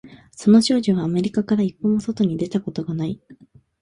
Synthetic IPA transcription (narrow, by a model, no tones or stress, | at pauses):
so̞no̞ɕo̞ːʑoβaːme̞ɾʲikakaɾaipːomoso̞t̪o̞ɲ̟id̪e̞t̪ako̞t̪o̞ɡanai